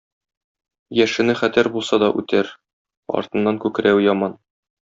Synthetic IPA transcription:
jæʃɘ̆nɘχæt̪æɾbulˠsɑd̪ɒʔʉ̰t̪ʰæɾ | ɒ̰ɾt̪ɤ̆nːɑŋkʉkɘɾæwjɒmɑn

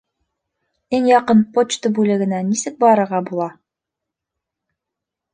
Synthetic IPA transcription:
iŋjɑqɤnpot͡ɕt̪ɤbʉlɘ̆ɡɘ̆nænisɘk̚bɒɾɤ̆ɾʁɑbulˠɑ

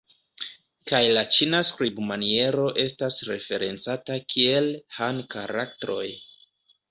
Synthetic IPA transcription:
kajlat͡ʃinaskɾibmanie̞ɾo̞ʔe̞stasɾe̞fe̞ɾe̞nt͡satakʰie̞lhankaɾaktɾo̞̰j

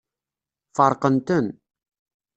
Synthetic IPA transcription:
fəɾˤqənt̪ən

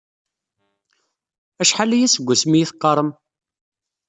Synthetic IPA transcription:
æʃħalæjæsəɡʷːæsmijiθqːɑɾˤəm

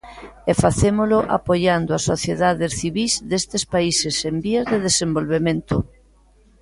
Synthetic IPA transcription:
ɛfaθemolʊʔa̰poʎand̪ʊasːoθjeðaðesθiβizðest̪espaisesembiazðeðesembolβemẽnt̪ʊ

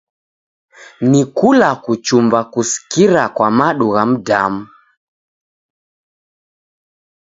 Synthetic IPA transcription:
nikulakut͡ʃumbakusi̥kiɾakwamaɗuɣam̩da̰mu

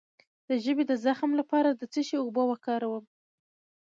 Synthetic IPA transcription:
d̪̥əʒəbed̪əzaxmlapɑɾad̪ət͡siʃeubəwakɑɾawəm

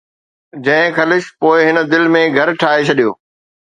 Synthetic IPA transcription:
d͡ʑɐ̃ɦɪ̃kɐlɪʃpoːɪɦɪnəd̪ɪlmẽɡʱɐɾʈʰaːɦet͡ɕʰɐɗijo̰ː

